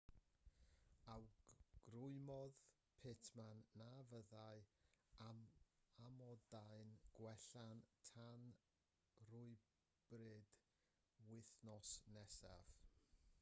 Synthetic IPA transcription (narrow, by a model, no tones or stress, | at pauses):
awɡ̥rʊɨmɔð | pʰetʰmanːavəðaɨ | amɔdaɨnɡ̥wɛɬantʰan | rʊɨ | b̥rɨd̥ | wɪθnɔsnɛsa̰v